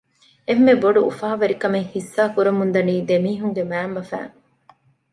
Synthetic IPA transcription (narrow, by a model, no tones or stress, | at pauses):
emːeboɖuṵfaːʋɐɾikɐmeŋhisːaːkuɾɐmund̪ɐniːd̪emiːɦuŋɡemæːmbɐfæ̰ːŋ